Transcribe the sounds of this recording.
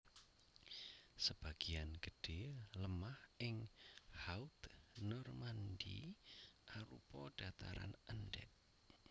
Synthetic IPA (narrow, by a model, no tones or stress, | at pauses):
səb̥a̤ɡ̥ianɡ̥əɖ̥eləmahɪŋhaut̪nɔrmandḭ | ʔaɾṵpɔd̥at̪aɾa̰nəndɛ̰ʔ̚